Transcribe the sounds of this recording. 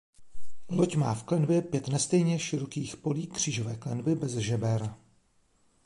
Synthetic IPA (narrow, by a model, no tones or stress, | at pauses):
locma̰ːfklɛnbjɛpjɛt̪nɛst̪ɛjɲɛʃɪɾo̞kiːxpo̞liːkr̝̥iːʒovɛːklɛnbɪbɛzʒɛbɛɾ